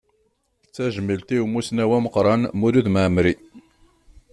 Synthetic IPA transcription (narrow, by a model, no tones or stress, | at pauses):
t͡sːæʒəməlt̪iwmusnæwæməqɾˤɑnmʊɾuðməʕmɾi